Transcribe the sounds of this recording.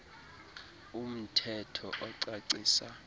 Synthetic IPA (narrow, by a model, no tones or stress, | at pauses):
um̩tʰɛtʰɔʔɔǀaǀiːsa